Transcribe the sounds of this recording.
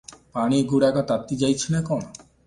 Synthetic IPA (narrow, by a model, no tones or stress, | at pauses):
paɽ̃iɡuɽaɡɔt̪at̪ːid͡ʒajt͡ʃʰinekɔñɔ